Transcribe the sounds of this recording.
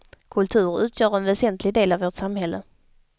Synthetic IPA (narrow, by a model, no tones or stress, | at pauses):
kʰɵlt̪ʰʉ̟ːɾʉ̟ːt̪ʰjœːɾɛnvɛsɛnt̪ʰlɪɡd̪eːlavoːʈsamhɛlːə̰